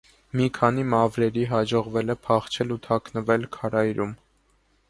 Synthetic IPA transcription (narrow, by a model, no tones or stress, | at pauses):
mikʰɑnimɑvɾɛɾiɦɑd͡ʒɔʁvɛlɛpʰɑχt͡ʃʰɛlut̪ʰɑknəvɛlkʰɑɾɑjɾum